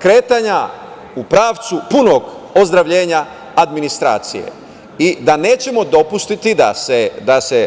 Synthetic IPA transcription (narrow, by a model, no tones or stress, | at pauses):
kɾe̞ːt̪aɲa | upɾaːʋt̪supuno̞ɡ | o̞zd̪ɾaʋʎeːɲaː | d̪minist̪ɾa̰ːt̪sije̞̰ | id̪ane̞ːt͡ɕe̞mo̞d̪o̞pust̪it̪id̪a̰sed̪ase